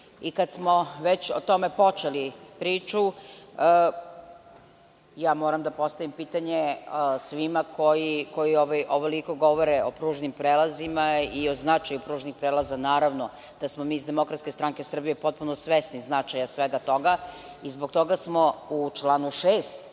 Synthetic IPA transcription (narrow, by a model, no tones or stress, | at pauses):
ikad̪smoʋet͡ɕot̪o̞mepo̞t͡ʃelipɾiːt͡ʃuə | jaːmoːɾamd̪apo̞st̪aʋimpiːt̪aɲesʋimakʰojikojioʋajʔoʋoliko̞ɡoʋoɾeopɾuːʒnimpɾeːlazimaioznat͡ʃajupɾuːʒnixpɾeːlˠazanaːɾaʋno | d̪asmomiːzd̪e̞mo̞kɾat̪skʲest̪ɾaŋkesr̩bijepo̞t̪̚punosʋesniznat͡ʃajasʋeɡat̪o̞ɡa | izbok̚t̪o̞ɡasmout͡ʂlˠaːnuʃeːst̪